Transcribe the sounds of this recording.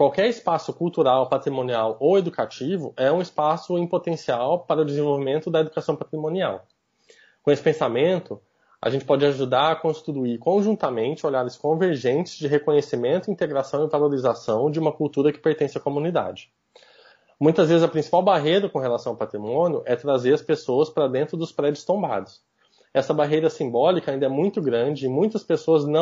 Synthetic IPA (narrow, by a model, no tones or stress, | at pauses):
kwawkɛɾɪspasʊkuwt̪uɾawpat̪ɾimõniawowed̪ukat͡ʃivʊʔɛũɪspasʊẽpot̪ẽsiawpaɾɐʊd̪ɪzẽvowvimẽnt̪ʊd̪ɐed̪ukasɐ̃w̃pat̪ɾimõnia̰w | kõesɪ̥pẽsamẽnt̪ʊ | a̰ʒẽnt͡ʃɪ̥pɔd͡ʒɪaʒud̪aɾɐkõʃt̪t̪uikõʒũnt̪ɐmẽnt͡ʃɪoʎaɾɪskõveɾʒẽnt͡ʃɪz̥d͡ʒɪɦekõɲesimẽnt̪ʊĩnt̪eɡɾasɐ̃w̃ɪvaloɾizasɐ̃w̃d͡ʒɪũmɐkuwt̪uɾɐkɪ̥peɾt̪ẽsɪɐkomũnid̪a̰d͡ʒɪ | mũj̃t̪ɐzvezɪzɐpɾĩsi̥pawbaɦejɾɐkõɦelasɐ̃w̃ɐwpat̪ɾimõnjʊʔɛt̪ɾazeɾɐspesoɐspɾɐd̪ẽnt̪ɾʊd̪ʊspɾɛd͡ʒʊst̪õmba̰d̪ʊs | ɛsɐbaɦejɾɐsĩmbɔlikaĩd̪ɐɛmũj̃t̪ʊɡɾɐ̃d͡ʒɪːmũj̃t̪ɐspesoɐznɐ̃